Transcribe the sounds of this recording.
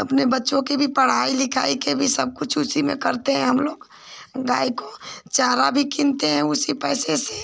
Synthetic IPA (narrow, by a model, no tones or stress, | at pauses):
ɐpnebɐtːʃõkibʱipɐɽ̤aːilɪkʰa̰ːikebʱisɐb̚kʊt͡ʃʰʊsimḛ̃kɐɾt̪eɦɛ̃ɦɐmloːɡ | ɡaːikot͡ʃaːɾabʱikɪ̃nt̪eɦɛ̃ʊsipɛːsese